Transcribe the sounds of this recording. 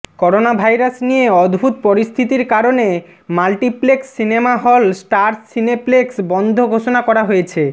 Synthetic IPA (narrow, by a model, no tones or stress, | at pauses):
kɔɾonabʱajɾasnijeɔd̪bʱut̪pɔɾist̪ʰit̪iɾkaɾone | malʈipleksːinemaɦɔlsʈaɾssinepleksbɔnd̪ʱoɡʱoʃonakɔɾaɦojet͡ɕʰe